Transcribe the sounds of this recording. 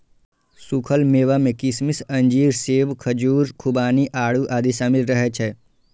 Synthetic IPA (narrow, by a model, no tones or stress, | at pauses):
sukʰəlmeːʋamẽkɪsmɪsɐ̃ɲd͡ʒiːɾseːʋkʰəd͡ʒuːɾkʰubaːniʔaːɽuʔaːd̪isaːmɪlɾəɦɛt͡ʃʰɛː